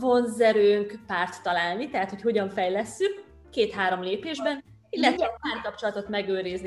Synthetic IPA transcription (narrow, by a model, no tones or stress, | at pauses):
vo̞nzɛɾøːŋkpaːrt̪ːɒlaːlnit̪ɛɦat̪ho̞cho̞ɟɒɱfɛjlɛsːykː | eːt̪ɦaːɾo̞mleːpeːʒbɛn | inːɛkɛpaːrkɒp̚t͡ʃo̞lɒt̪o̞t̪mɛɡøːɾizni